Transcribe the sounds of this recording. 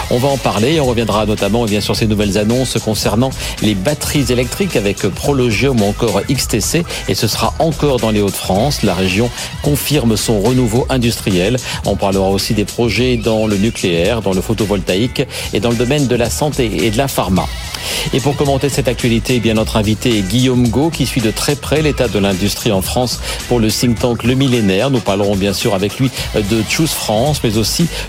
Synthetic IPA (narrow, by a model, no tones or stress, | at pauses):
ɔ̃vaɑ̃paʁleeɔ̃ʁəvjɛ̃d̪ʁanɔt̪amɑ̃ebjɛ̃syʁsenuvɛlzanɔ̃skɔ̃sɛʁnɑ̃ | lebat̪χizelɛk̚t̪χikavɛkpχɔlɔʒjɔmuɑ̃kɔʁikst̪ese | esəsə̥ʁaʔɑ̃kɔʁd̪ɑ̃leot̪fχɑ̃slaʁeʒjɔ̃ | kɔ̃fiʁmsɔ̃ʁənuvoʔɛ̃d̪yst̪χijɛlɔ̰̃paʁləʁaosid̪epχɔʒɛd̪ɑ̃lənykleɛʁd̪ɑ̃ləfot̪ovɔlt̪aik | ed̪ɑ̃ləd̪ɔmɛnd̪əlasɑ̃t̪eḛd̪əlafaʁma̰ | epuʁkɔmɑ̃t̪esɛt̪ak̚t̪ɥalit̪eebjɛ̃nɔt̪χɛ̃vit̪eɡʲijomɡokʲisɥid̪ət̪χɛpχɛlet̪ad̪əlɛ̃d̪yst̪χiɑ̃fχɑ̃spuʁləsĩŋt̪ɑ̃kləmilenɛʁnupaʁləʁɔ̃bjɛ̃syʁavɛklɥid̪ət̪ʃusfχɑ̃smɛzosi